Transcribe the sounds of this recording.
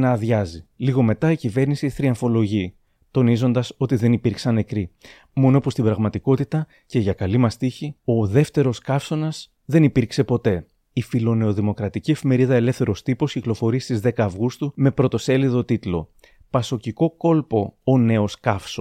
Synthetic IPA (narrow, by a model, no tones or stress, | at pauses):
nɐðʝɐziliɣo̞me̞t̪ɐicive̞ɾnisiθɾiɐɱfo̞lo̞ʝi | t̪o̞nizo̞nd̪ɐso̞t̪iðe̞nipiɾksɐne̞kɾi | mo̞nopust̪ibɾɐɣmɐt̪iko̞t̪it̪ɐ | ce̞ʝɐkɐlimɐst̪içio̞ðe̞ft̪e̞ɾo̞skɐfso̞nɐs | ðe̞nipiɾkse̞po̞t̪e̞ | ifilo̞ne̞o̞ðimo̞kɾɐt̪icie̞fime̞ɾiðɐe̞le̞fθe̞ɾo̞st̪ipo̞sciklo̞fo̞ɾist̪izðe̞kɐːvɣust̪ume̞pɾo̞t̪o̞se̞liðo̞t̪it̪lo̞̰ | pɐso̞ciko̞ko̞lpo̞ːne̞o̞skɐfso